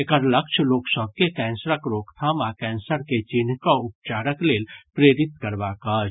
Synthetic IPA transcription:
ekəɾləkʃʰloːksəb̚kekɛːnsɾəkɾoːkt̪ʰamãkɛ̃ːnsəɾket͡ʃin̤kaʊp̚t͡ʃaːɾəkleːlpɾeɾit̪kəɾbakat͡ʃ

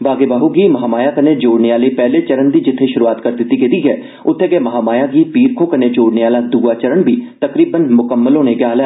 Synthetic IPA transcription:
ʋaːɡeːbaːɦuɡiːmɐɦaːmaːjaːkəneːd͡ʒoːɽneːaːleːpɛːlet͡ʃəɾənd̪iːd͡ʒɪt̪ʰːeʃʊɾuaːt̪kəɾd̪ɪt̪ːiːkɪt̪iːɦɛː | ʊt̪ʰːeːɡɛːmɐɦaːmaːjaːɡiːpiːɾkʰoːkəned͡ʒoːɽneaːlaːd̪uːaːt͡ʃəɾəɳbʱiːt̪əkɾiːbənmʊkəmːəlõːneɡjaːlɛː

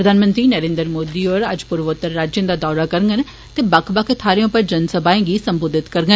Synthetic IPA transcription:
ɾəd̪aːnmə̃nt̪ɾiːnəɾẽːnd̪əɾmoːd̪iːoɾəd͡ʒpʊɾʋot̪ːəɾːaːd͡ʒjə̃nd̪aːd̪ɔːɾaːkəɾŋɡən | t̪eːbakʰbakʰt̪ʰaːɾijõːpəɾd͡ʒənsəbaːẽːɡiːsəmboːd̪ʱɪt̪kəɾɡən

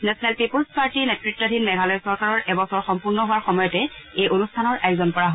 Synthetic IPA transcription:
nɛsɔnɛlpipolspaɹtinɛtɹitːɔdʱinmɛɡʱalɔjsɔɹkaɹɔɹʔɛbɔsɔɹxɔmpuɹnɔɦuwaɹxɔmɔjɔtɛejʔonustʰanɔɹʔɛkzɔnpɔɹaɦo

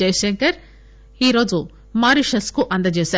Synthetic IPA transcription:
eːʃɐŋkɐɾ | iːɾoːd͡ʒu | maːɾiʃɐskuʔɐnd̪ɐd͡ʒeːse

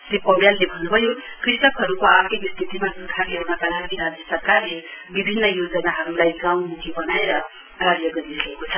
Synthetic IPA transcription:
sipʌwjalːebʱʌnːubʱʌjo | krist̪ʌkɦʌɾukoakikist̪ʰit̪imadut̪ʰarlewnakalaɡiɾad͡zisʌrkarlebibʱinːʌjod͡zʌnaɦʌɾulajɡaw̃mukʰibʌnaeɾʌ | ɡaɾjʌɡʌɾiɾʌekot͡sʰʌ

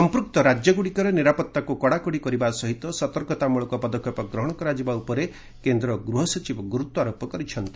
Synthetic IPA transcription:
sɔmpɾuk̚t̪ɔɾad͡ʒjɔɡuɽikɔɾeniɾapɔt̪ːakukɔɽakɔɽikɔɾibasɔɦit̪ɔsɔt̪ɔɾkɔt̪amuɭɔkɔpɔd̪ɔkʰjɔpɔɡɾɔɦɔɽ̃ɔkɔɾad͡ʒibaupɔɾe | kend̪ɾɔɡɾuɦɔsɔt͡ʃibɔɡuɾut̪ːɔaɾopɔkɔɾit͡ʃʰɔnt̪i̥

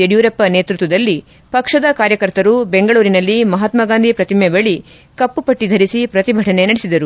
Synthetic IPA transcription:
eɽjuːɾɐpːɐne̞ːt̪ɾut̪ʋɐd̪ɐlːi | pɐkʂɐd̪ɐkaːɾjɐkɐɾt̪ɐɾubeŋɡɐɭuːɾinɐlːimɐɦɐt̪mɐɡaːnd̪ʱipɾɐt̪imebɐɭi | kɐpːupɐʈːid̪ʱɐɾisipɾɐt̪ibʱɐʈʰɐne̞nɐɽisid̪ɐɾu

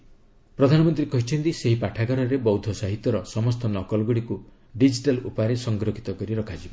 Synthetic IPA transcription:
pɾɔd̪ʱanɔmɔnt̪ɾikɔɦit͡ʃʰɔnt̪iseɦipaʈʰaɡaɾɔɾebɔwd̪ʱɔsaɦit̪jɔɾɔsɔmɔst̪ɔnɔkɔlɡuɽiku | ɖid͡ʒiʈalṵpaɾesɔŋɡɾokʰit̪ɔkɔɾiɾɔkʰad͡ʒibɔ

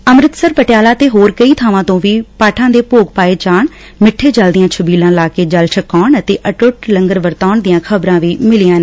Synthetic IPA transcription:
əmɾɪt̪səɾpəʈjaːlaːt̪eːɦoːɾkəiːt̪ʰaːʋãːt̪õːʋiːpaːʈʰãːd̪eːpoːɡ̚paːeːt͡ʃaːɳ | mɪʈʰːeːd͡ʒəld̪ɪjãːt͡ʃʰəbiːlãːlaːkeːd͡ʒəlʃəkaːɳət̪eːʔəʈʊʈləŋɡəɾʋəɾt̪aːɳd̪ɪjãːkʰəbɾãːʋiːmɪlɪjãːnː

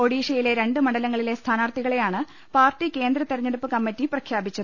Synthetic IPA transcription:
o̞ɽiːɕɐjile̞ɾe̞ɳɖɨmɐɳɖɐlɐŋːɐɭile̞st̪ʰaːnaːrt̪iɣɐɭe̞jaːɳɨ | paːrʈːike̞ːnd̪ɾɐt̪ːerɐɲːɐɽupːɨkɐmːitːiprɐkʰjaːbit͡ɕːɐðɨ

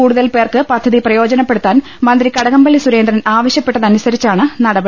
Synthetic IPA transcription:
uːɽuðɐlpe̞ːrkɨpɐd̪ʱːɐðiprɐjo̞ːd͡ʑɐnɐpːe̞ɽut̪ːaːn | mɐnd̪ɾikɐɽɐɣɐmbɐɭːisuɾe̞ːnd̪ɾɐnʔaːʋɐɕjɐpːe̞ʈːɐðɐnusɐɾit͡ɕːaːɳɨnɐɽɐbɐ

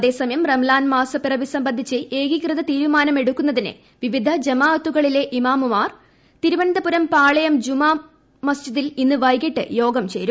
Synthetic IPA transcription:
ɐðe̞ːsɐmɐjɐmremlaːnmaːsɐpirɐʋisɐmbɐnd̪ʱːit͡ɕːɨʔeːɡikrɨðɐt̪iːɾumaːnɐme̞ɽukːunːɐðinɨ̰ | ʋiʋid̪ʱɐd͡ʑɐmaːɐt̪ːuɣɐɭile̞ʔimaːmumaːr | t̪iɾuʋɐnd̪ɐpuɾɐmpaːɭɐjɐmd͡ʑumaː | mɐst͡ɕiðilinːɨʋɐjɡeʈːɨ̰jo̞ːɡɐmt͡ɕe̞ːɾu

